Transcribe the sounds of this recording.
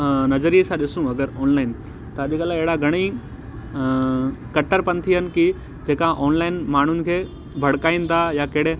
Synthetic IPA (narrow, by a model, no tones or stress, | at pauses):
nɐzəɾiesãɗɪsũɐɡəɾɔːnlaːɪn | t̪ɐɐʄikaːlaɪɦɪɽaɡʱɐɽ̃i | kɐʈːəɾpɐnt̪ʰiɦənɪ̆ki | d͡ʑeːkãʔɔːnlaːɪnmaːɳ̤ʊnɪ̆kʰeː | bʱɐɽkaːinɪ̆t̪ʰajakeɦɪɽ̤e